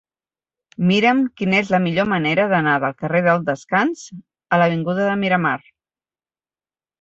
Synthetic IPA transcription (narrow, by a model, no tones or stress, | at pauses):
miɾəmkinəezləmiʎoməneɾəðənaðəlˠkəreðəlˠd̪əskanz̥ | ələβ̞iŋɡuðəðəmiɾəmar